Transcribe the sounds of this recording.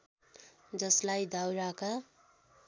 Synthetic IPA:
d͡zʌslajd̪awɾaka

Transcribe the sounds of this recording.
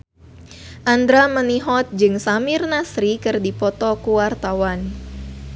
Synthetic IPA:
ʔand̪ɾaməniɦɔt̪̚d͡ʒɨŋsamɪrnasɾikɨrdipɔt̪ɔkuwart̪awan

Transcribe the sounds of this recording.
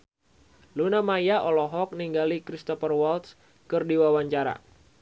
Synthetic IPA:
lunamajaʔɔlɔɦɔk̚niŋɡalikɾist̪ɔfərwɔlt̪s | kɨrdiwawaɲt͡ʃaɾa̰

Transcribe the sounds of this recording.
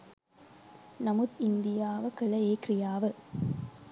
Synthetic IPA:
nɐmut̪ɪnd̪ɪjaːʋɐkɐlɐjeːkɾɪjaːʋɯ

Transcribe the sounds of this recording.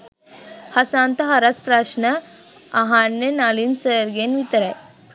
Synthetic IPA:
hɐsaːnt̪ɐɦɐɾɐspɾaːʃnɐ | ɐɦanːenaːlimsəɾɡenʋit̪ɐɾɐ

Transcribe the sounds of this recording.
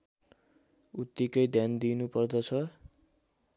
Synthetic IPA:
ut̪ːikʌjd̪ʱjand̪inupʌrd̪ʌt͡sʰʌ

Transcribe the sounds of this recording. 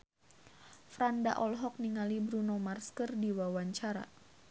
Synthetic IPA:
fɾanda̰ʔɔlɦɔk̚niŋalibɾunomarskərdiwawaɲt͡ʃaɾa̰

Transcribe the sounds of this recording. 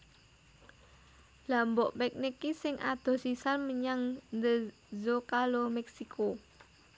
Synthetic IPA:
lambɔʔpɛk̚nikisɪŋʔa̰d̪̥ɔ̤sisanməɲaŋnd̪ə | zokalomɛksikʰo

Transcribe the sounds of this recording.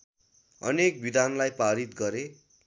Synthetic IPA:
ʌ̰nek̚bid̪ʱanlajpaɾit̪̚ɡʌɾe

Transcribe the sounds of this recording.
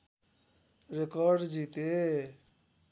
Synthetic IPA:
ɾekɔɾɖd͡ʒit̪e

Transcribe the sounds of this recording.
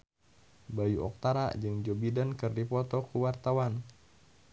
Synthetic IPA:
bajuʔɔ̰k̚t̪aɾa̰d͡ʒɨŋd͡ʒobidankɨrdipɔt̪ɔkuwart̪awan

